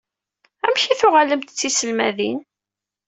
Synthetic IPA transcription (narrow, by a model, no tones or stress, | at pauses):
æmçiθʊʁæləmt̪ət͡sːisəlmæðin